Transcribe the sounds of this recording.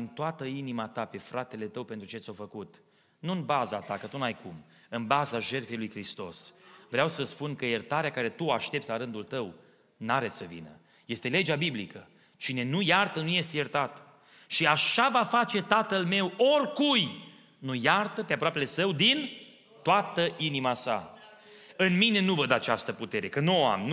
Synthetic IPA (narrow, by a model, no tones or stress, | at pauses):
ɨnt̪oat̪əinimat̪ape̞fɾʔat̪e̞le̞t̪əwpe̞nt̪ɾut͡ʃeat̪sʲofəkut̪ | nuɨnbaza̰t̪akət̪unajkum | ɨnbazaʒe̞rfejlujkɾist̪o̞̰svɾeawsəspunkəjert̪aɾeakaɾe̞t̪uaʃt̪e̞p̚t̪sʲlaɾɨnd̪ult̪əw | naɾesəvḭnə̰ | je̞st̪e̞le̞d͡ʒabiblikə | t͡ʃine̞nujart̪ənuje̞st̪ejert̪at̪ | ʃiaʃavafat͡ʃe̞t̪at̪əlme̞workuj | nujart̪əpeapɾoape̞le̞səwd̪in | t̪oat̪əʔinimasa̰ | ɨnmine̞nuvəd̪əat͡ʃast̪əput̪e̞ɾe̞kənuoa̰mn